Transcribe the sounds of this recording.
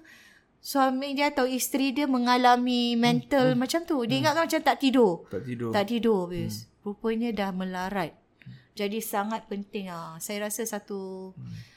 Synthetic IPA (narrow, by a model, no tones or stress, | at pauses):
soamiŋdiaat̪awist̪ɾidiəmə̃ŋalamimɛ̃nt̪əlmat͡ʃamt̪udiəiŋat̪ʔ̚kanmat͡ʃamt̪aʔt̪idot̪aʔt̪idobispɾupəɲãdahmə̃laɾat̪̚ | d͡ʒadisaŋat̪̚pənt̪ɪŋasajaɾasasat̪u